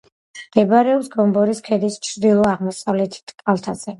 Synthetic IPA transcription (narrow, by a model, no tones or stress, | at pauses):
d̪ɛbɾɛɔpsɡɔmbɔɾiskʰɛd̪ist͡ʃʰɾd̪ilˠɔaʁmɔsavlɛt̪ʰi̥t̪ʼkʼalˠt̪ʰaz̥ɛ